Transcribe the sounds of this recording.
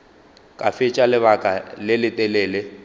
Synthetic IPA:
kʼafɪt͡ʃʼalɪβakʼalɪlɪtʼɛlɛːlɪ

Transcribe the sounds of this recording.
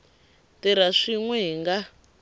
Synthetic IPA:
tiɾaʂiŋwɛŋɡa

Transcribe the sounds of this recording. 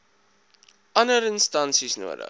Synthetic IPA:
ʔɐnəɾənstɐnsisnṵədə̰

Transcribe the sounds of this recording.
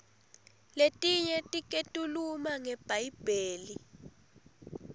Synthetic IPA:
letʼiɲɛtʼikʼetʼulumaŋɛb̥ʱajib̥ʱeːli

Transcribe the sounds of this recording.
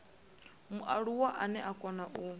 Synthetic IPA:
muʔaɺuwaʔanɛʔakʼɔnaʔu

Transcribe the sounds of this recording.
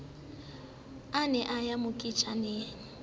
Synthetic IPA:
anɛʔajamʊkʼit͡ʃʼaneːn̩

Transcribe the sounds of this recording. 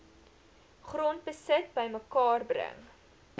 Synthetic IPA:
χrɔntbəsət̚bəjməkɑːrbrə̰ŋ

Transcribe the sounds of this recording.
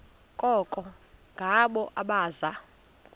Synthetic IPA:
kʼɔkʼɔŋɡʱaɓɔʔaɓaːza

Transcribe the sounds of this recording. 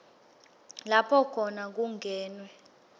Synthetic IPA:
lapʰɔkʰɔnak̬uŋʱɛːnwɛ

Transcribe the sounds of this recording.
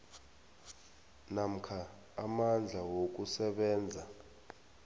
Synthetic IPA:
nam̩kʰaː | mand͡ɮʱawok̬ʼusɛɓɛːnd͡zʱa

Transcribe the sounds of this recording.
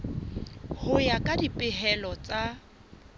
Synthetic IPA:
hʊjakʼadipʼɪɦɛlɔt͡sʼa

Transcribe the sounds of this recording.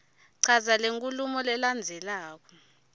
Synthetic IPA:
ǀʰazaleŋkʼulumɔlɛland͡zʱɛlaːk̬ɔ̥

